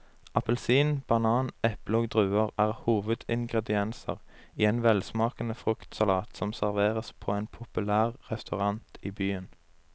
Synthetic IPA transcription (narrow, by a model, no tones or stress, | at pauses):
ʔɑpəlsiːnb̥ɑnɑːnɛploːɡd̪ʁʉːəʁæːʁhuːʋəd̪ɪŋɡʁɛd̪ɪɛnsə̰ʁiːeːnʋɛlsmɑːkənəfʁʉkt̪sɑlɑːt̪sɔmsæʁʋeːʁəspʰoːeːnpʰʊpʉlæːʁʁɛst̪ɑʁɑnt̪iːbyːən